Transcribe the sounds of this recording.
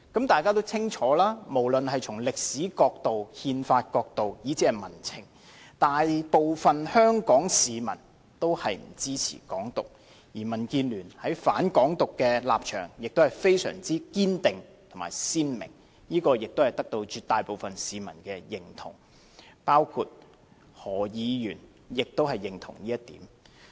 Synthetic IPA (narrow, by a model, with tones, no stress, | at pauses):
kɐ˨˥mt̪aː˨˩jkaː˥t̪̬o˥wt͡sʰɪ˥ŋt͡ʃʰɔː˨˥laː˥mo˨˩wlɵ˨nhɐ˨jt͡sʰʊ˨˩ŋlɪ˨k̚siː˨˥kɔː˧k̚t̪o˨whiː˧nfaː˧t̚kɔː˧k̚t̪o˨wji˨˥t͡sʰi˨˥ɐ˨˩mɐ˨˩nt͡sʰɪ̰˨˩ŋ | t̪aː˨jpo˨wfɐ˨nhœː˥ŋkɔː˨˥ŋsiː˨˧mɐ̰˨˩n | t̪o˥whɐ˨jm̩˨˩t͡siː˥t͡sʰḭː˨˩kɔː˨˥ŋt̪ʊ˨k̚ | jiː˨˩mɐ˨˩nkiː˧nlyː˨˩nhɐ˨˥jfa̰ː˨˥nkɔː˨˥ŋt̪ʊ˨kːɛː˧la̰ː˨p̚t͡ʃʰœ̰ː˨˩ŋjɪ˨k̚t̪o˥whɐ˨˩jfe˥jsœ̰ː˨˩ŋt͡siː˥kiː˥nt̪ɪ˨ŋt̪ʰʊ˨˩ŋma̰ː˨jsiː˥nmɪ̰˨˩ŋ | niː˥kɔː˧jɪ˨k̚t̪o˥whɐ˨˩jt̪ɐ˥k̚t̪o˧wt͡ʃyː˨˧t̪aː˨jpo˨wfɐ˨nsiː˨˧mɐ˨˩nkɛː˧jɪ˨ŋt̪ʰʊ̰˨˩ŋ | paː˥wkʰu˧t̚ | hɔː˨˩jiː˨˧jyː˨˩n | jɪ˨k̚t̪o˥whɐ˨jːɪ˨˩ŋt̪ʰʊ̰˨˩ŋliː˥jɐ˥t̪̚ḭː˨˥m